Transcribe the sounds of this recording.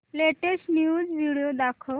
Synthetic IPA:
leʈesʈnjud͡zʋiɽijod̪akʰə

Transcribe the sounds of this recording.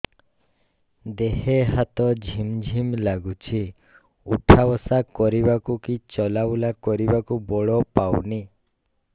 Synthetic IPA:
d̪eɦeɦat̪ɔd͡ʒʱimd͡ʒʱimlaɡut͡ʃʰi | ṵʈʰabɔsakɔɾibakukit͡ʃɔlabwlakɔɾibakubɔɭɔpawni

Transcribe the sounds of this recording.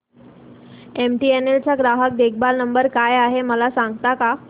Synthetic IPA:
emʈienelt͡ɕaɡɾaɦək̚d̪ekʰbalnəmbəɾkajaɦeməlasãŋɡt̪aka

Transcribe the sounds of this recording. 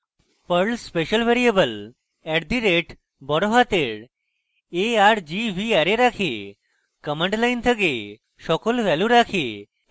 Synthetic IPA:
pəɾɭspeʃəlʋeɾijebəl | ɛɖd̪ʱiɾeʈ | bɔɾoɦat̪eɽ | eaɾd͡ʑiʋʱiaɾeɾakʰe | kəməɳʈlajnt̪ʰəɡe | ʃɔkolʋɛluɾakʰe

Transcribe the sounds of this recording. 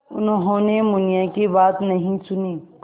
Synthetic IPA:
ʊnɦõnemʊnjãkibaːt̪nɐɦĩsʊniː

